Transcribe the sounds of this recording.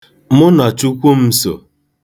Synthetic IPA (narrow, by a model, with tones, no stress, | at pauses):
mʊ˦na˨t͡ʃu˦kʷu˦m̩˦so̰˨